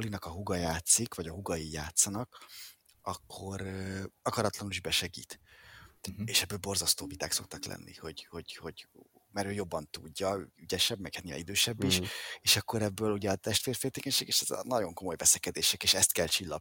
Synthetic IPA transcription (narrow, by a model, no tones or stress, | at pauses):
olinɒkɒɦuɡɒjaːt̪sikvɒɟɒɦuɡɒjijaːt̪sɒnɒk | ɒkʰːo̞ɾɒkɒɾɒt̪lɒnuliʒbɛʃɛɡḭːt̪ | eːʃɛbːøːlbo̞rzɒst̪oːvit̪aːkso̞k̚t̪ɒklɛ̰nːḭho̞ɟho̞ɟho̞ɟ | mɛɾøːjo̞bːɒnt̪uɟːɒyɟɛʃɛbmɛɡɛniːva̰nid̪øːʃɛbːiʃeːʃɒkːo̞ɾɛbːøːluɟɛɒt̪ɛʃt̪feːrfeːlt̪eːkɛɲʃeːɡeːʃɛz̰nɒɟo̞ŋko̞mo̞jvɛsɛkɛd̪eːʃɛkeːʃɛst̪kɛlt͡ʃilːɒ̰